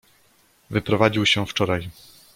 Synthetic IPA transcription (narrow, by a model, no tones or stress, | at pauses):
vɘpɾɔvad͡ʑiwɕɛft͡ʂɔɾaj